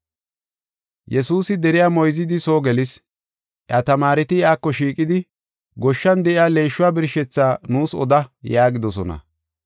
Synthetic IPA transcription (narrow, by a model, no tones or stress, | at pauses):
jɛsuːsɪd̪ɛɾɪjaːmɔjzɪd̪ɪso̞ːɡɛlɪs | ʔɐt̪ɐmaːɾɪt̪ɪɪaːkːɔʃiːkʼɪd̪ɪ | ɡɔʃːɐnd̪ɛʔɪaːle̞ːʃːʊwaːbɪɾʃɛt͡sːaːnuːsɔ̰d̪ɐjaːɡɪd̪ɔsɔnɐ̰